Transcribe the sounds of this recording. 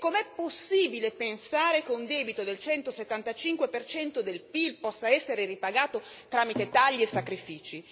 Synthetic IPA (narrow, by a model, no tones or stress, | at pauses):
kːomeɛpːosːiːbilepensaːɾekeund̪ɛːbit̪od̪elt͡ʃɛnt̪oset̪ːant̪at͡ʃiŋkwepert͡ʃɛnt̪od̪elpilpɔsːaɛsːeɾeripaɡaːt̪ot̪ɾaːmit̪et̪aʎːiesːakɾifiːt͡ʃi